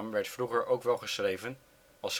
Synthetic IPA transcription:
mʋɛɹtfruχəɹʔowkʋɛlˠχəsχrejvən | ɑlˠs

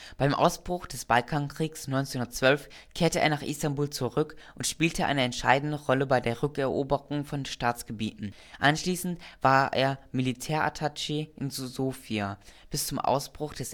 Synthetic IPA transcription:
b̥aɪmʔa̰ʊsb̥ʁʊχd̥ɛsb̥alkʰaŋkʁ̥iːksnɔʏnt͡senhʊndɐt͡sv̥œlf | kʰeːɐtəʔeːɐnaːχʔɪ̰stambuːlt͡suʁʏkʔʊntʃpiːltʰəʔa̰ɪnəɛntʃa̰ɪdn̩dəʁɔləbaɪdeːɐʁʏkɛɐʔoːbəʁʊŋfɔnʃtaːt͡sɡ̥əbḭːtn̩ | ʔanʃliːsn̩tv̥aːɐʔḛːɐmilitʰɛːɐʔa̰tʰat͡ʃeʔɪnzzoːfiab̥ɪst͡sʊmʔa̰ʊsb̥ʁʊχd̥ɛs

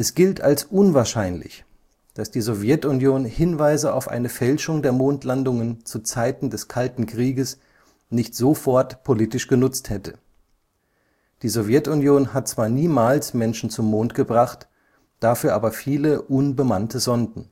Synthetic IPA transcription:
ʔɛsɡ̥ɪltʰalsʔʊnvaːɐʃaɪnlɪ̰ç | d̥asd̥iːzovjɛtʊnjoːnhɪnvaɪzəa̰ʊfʔa̰ɪnəfɛlʃʊŋdeːɐmoːntlandʊŋənt͡sut͡saɪtn̩dɛskʰaltn̩kʁ̥iːɡəs | nɪçtz̥ofɔɐtpʰoliːtɪʃɡ̥ənʊt͡sthɛtə | d̥iːzovjɛtʊnjoːnhat̚t͡sv̥aːɐniːmaːlsmɛnʃn̩t͡sʊmːoːntɡ̥əbʁaχt | d̥afyːɐʔaːbɐfiːləʔʊnbəmantəzɔndn̩

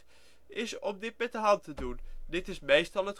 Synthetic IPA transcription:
ɪsɔmdɪt̚mɛt̚dəɦɑntədundɪtɪsmejstɑlˠət

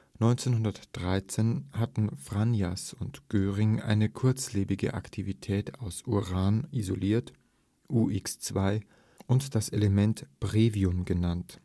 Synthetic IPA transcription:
nɔʏnt͡seːnhʊndɐtd̥ʁaɪt͡seːnhatn̩fʁ̥anjasʊntɡ̥øːʁɪŋʔa̰ɪnəkʰʊɐt͡sleːbɪɡə̰ʔa̰ktʰivitʰɛːtʰaʊsʔuʁaːnizoliːɐt | ʔuːʔɪkst͡sv̥aɪ | ʔʊntd̥aseləmɛntb̥ʁeːviʊmɡənant

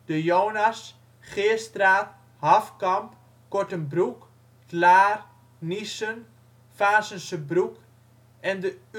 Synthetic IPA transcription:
d̥əjoːnas | χɪːstraː | hafkɑmp | kɔɹtənbruk | tlaːr | nisən | faːsənsəbruk | ɛndə

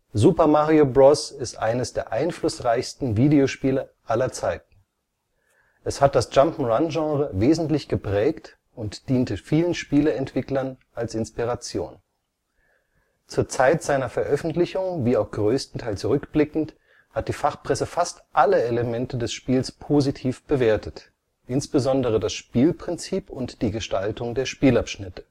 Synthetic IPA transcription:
zuːpɐmaʁiobʁɔsɪstʔa̰ɪnəsd̥eːɐʔaɪnflʊsʁaɪçstn̩viːdeoʃpiːləʔalɐt͡saɪtn̩ | ʔɛshat̚d̥asd͡ʒ̥ampm̩ʁanʒɑ̃ːʁəveːzn̩tlɪçɡ̥əpʁ̥ɛːkt | ʊntd̥iːntəfiːlənʃpiːləɛntv̥ɪklɐnʔalsɪnspiʁat͡sjo̰ːn | t͡suːɐt͡saɪtz̥aɪnɐfɛɐʔœfn̩tlɪçʊŋviːaʊxɡ̥ʁøːstn̩tʰaɪlt͡suʁʏkb̥lɪkn̩t | hat̚d̥iːfaχpʁ̥ɛsəfastʔaləeləmɛntʰədɛsʃpiːlspʰoːzitʰiːfb̥əveːɐtʰət | ʔɪnsb̥əzɔndəʁ̞ədasʃpiːlpʁ̥ɪnt͡siːpʊntd̥iːɡəʃtaltʊŋdeːɐʃpiːlapʃnɪtə̥

